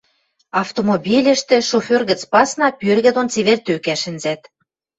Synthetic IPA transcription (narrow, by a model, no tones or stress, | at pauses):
ɑft̪omobʲilʲə̆ʃt̪ĕʃoførɣə̆t͡spɑsnɑpʲørɣɘ̆d̪ont͡seβert̪økæʃɘ̆nzæt̪